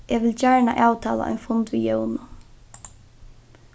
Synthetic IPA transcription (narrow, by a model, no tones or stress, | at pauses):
ʔɛʋɪlt͡ʃaɹɳaʔaːwt̪ʰaːla̰ʔɔ̰jnfʊnt̪ʋḭjœwnʊ